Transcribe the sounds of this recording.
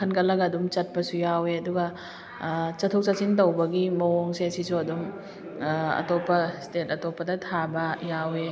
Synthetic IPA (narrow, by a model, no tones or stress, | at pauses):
kʰɐnkɐlːɐɡɐːdumt͡ʃɐt̚pɐsujaweɐduɡɐ | t͡ʃɐtʰok̚t͡ʃasintowbɐɡimɐwoŋseɐsisuɐdum | ɐ̰topːɐstetɐtopːɐdɐtʰabɐjawe